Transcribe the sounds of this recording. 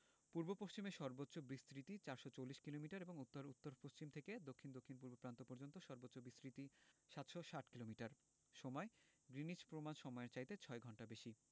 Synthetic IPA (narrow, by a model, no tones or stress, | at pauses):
puɾbopoʃt͡ɕimeʃɔɾbotːɕobɾist̪ɾit̪it͡ɕaɾʃɔt͡ɕowlːiʃkilomiʈaɾeboŋut̪ːoɾut̪ːoɾpoʃt͡ɕimt̪ʰeked̪okʰːind̪okʰːinp̬uɾbopɾant̪opɔɾd͡ʑont̪oʃɔɾbotːɕobɾist̪ɾit̪iʃat̪ʃɔʃaʈkilomiʈaɾ | ʃɔmɔe | ɡɾinid͡ʑpɾomanʃɔmɔeɾt͡ɕajt̪et͡ɕʰɔeɡʱɔɳʈabeʃi